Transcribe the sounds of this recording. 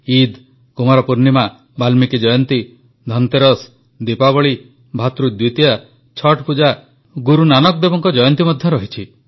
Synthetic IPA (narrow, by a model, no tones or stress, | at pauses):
id̪ | kumaɾɔpuɾnima | balmikid͡ʒɔjɔnt̪i | d̪ʱɔnt̪eɾɔs | d̪ipaβɔɭi | bʱat̪ɾud̪wit̪ija | t͡ʃʰɔʈpud͡ʒa | ɡuɾunanɔk̚d̪ebɔŋkɔd͡ʒɔjɔnt̪imɔd̪ʱjɔɾɔɦit͡ʃʰi